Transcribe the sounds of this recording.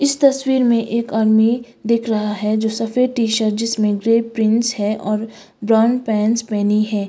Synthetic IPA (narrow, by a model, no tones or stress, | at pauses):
ɪst̪ɐswiːɾmẽʔeːkaːɾmi | d̪eːkʰɾɐɦaɦɛd͡ʒoːsɐfeʈiːʃəɾd͡ʒɪsmẽɡɾeːpɾɪ̃nshɛʔɔːɾ | bɾaːnɖpɛ̃ːnspɛːniɦɛː